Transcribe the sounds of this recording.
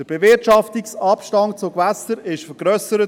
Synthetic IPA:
əɾb̥evɪɾtʃɑftiksɑpʃtɑnt͡sʊkʋæsəɾɪʃfəɾɡ̥ɾœsəɾə

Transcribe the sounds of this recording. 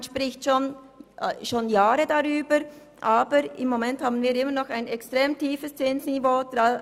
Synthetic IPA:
nʃpʁɪçtʃoːn | ʃoːnjaːɾədaʁyːbəɾ | ʔaːbəɾɪmːomɛnthaːbn̩viːɾɪməɾnɔχaɪnɛkstʁ̥eːmtʰiːfəst͡sɪnsnivoːd̥ʁa

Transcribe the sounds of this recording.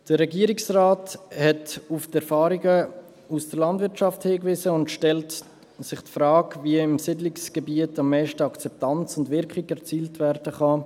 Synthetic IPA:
d̥əɾɛɡiːəɾiksraːthɛtuftɛɾfɑːɾiɡə | usd̥əɾlɑndvɪɾtt͡ʃɑfthɪːkvɪzəʊndʃtɛlt | sɪχtfɾaːkviəɪmsɪdlɪksɡ̥ebiətɑmːɛɪʃtəɑkt͡sɛp̚tɑnt͡sʊndvɪɾkχiɡɛɾt͡siːltvɛɾdəχɑ

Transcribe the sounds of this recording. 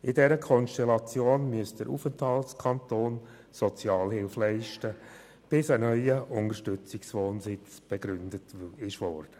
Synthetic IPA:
ɪdɛɾəkʰɔnʃtɛlɑt͡sjoːnmyəstd̥əɾʔṵfəntʰɑltskʰɑntoːn | sɔt͡sjɑːlhɪlflɛɪʃtə | b̥ɪsənœʏəʔʊndəɾʃtʏt͡sɪksʋoːnsɪt͡sb̥ɛɡɾʏndətɪʃʋɔrd̥ə

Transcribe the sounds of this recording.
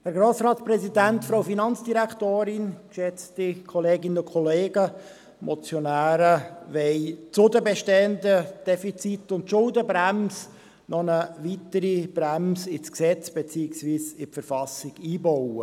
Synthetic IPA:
hɛɾɡɾoːsɾɑːtspɾɛsidænt̪fɾowfinɑnt͡sd̥iɾækt̪oːɾɪnkʃɛt͡stikʰɔleːɡɪnəʊnkʰɔleːɡə | mʔɔt͡sjɔnæːɾəʋɛɪt͡sʊdəbɛʃtɛənd̪əd̥ɛfit͡sit̪ʊntʃʊldəbɾæms | nɔnəʋit̪əɾib̥ɾæmsɪt͡sksɛt͡sb̥et͡siɪksʋiːsɪpfəɾfɑsɪɡ̥iːbɔwə

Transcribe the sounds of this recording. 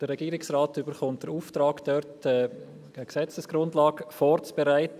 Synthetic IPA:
d̥əɾɛɡ̥iːɾɪksraːtybəχʊnt̚d̥əɾuːftɾɑːkd̥œɾtɛ | əksɛt͡səsɡ̥ɾʊndlɑːɡfɔːɾt͡sb̥ɛɾaɪtə

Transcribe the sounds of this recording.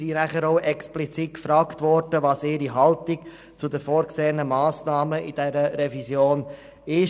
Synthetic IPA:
sinæχəɾoʊʔɛksplit͡sit̚kfɾɑːktvɔɾdəʋɑːsɪːɾiɦɑltɪk | t͡sudəfoːɾkseːənəmɑːsnɑːməʔid̥ɛɾəɾɛvizjoːn | ɪʃ

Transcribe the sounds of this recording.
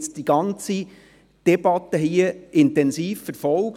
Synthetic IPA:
t͡sd̥iɡ̥ɑnt͡si | d̪̥ɛb̥ɑt̪ːəɦiəɪntɛnsiːfːəɾfɔlˠk

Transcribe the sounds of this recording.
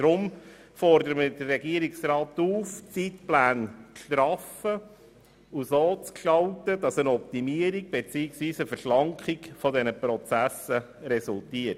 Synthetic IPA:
d̥ɾʊm | fɔrdəɾəməd̥ərɛɡiəɾiksrɑːt̪uːft͡sitplæːnt͡sʃt̪ɾɑfə | usoːt͡skʃtɑltədɑsənɔp̚t̪imiəɾiɡ̚b̥et͡siːɪksʋiːsəfəɾʃlɑŋkχɪɡfɔdɛnəpɾɔt͡sæsə | ɾɛsultiət

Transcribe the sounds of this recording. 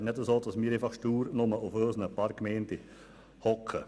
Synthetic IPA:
nɛdəsoːd̪̥ɑsmiːəɾefɑχʃtuːɾnʊməʔuføːsənəpɑːɾkmɛɪnti | hɔkʰə

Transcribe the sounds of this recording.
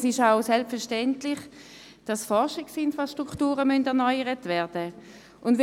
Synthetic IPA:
sɪʃaʊsɛlpfɛɐʁʃtɛntlɪχ | d̥ɑsfɔʁʃɪɡsɪnfʁaʃtʁuktuːʁəmœndɛɐnɔʏəʁətvɛɐd̥ə | ʔʊndv

